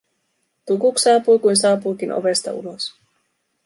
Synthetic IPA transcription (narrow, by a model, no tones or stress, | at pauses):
t̪ukuksɑːpujkujnsɑːpuːk̟inʔo̰ʋe̞st̪ɑ̰ṵlo̞s